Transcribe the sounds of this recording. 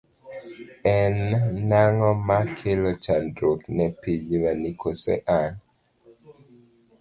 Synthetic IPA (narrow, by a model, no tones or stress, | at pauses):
ɛnːaŋɔmakʰelɔt͡ʃandɾoknɛpiɲwanikosɛ̰ʔan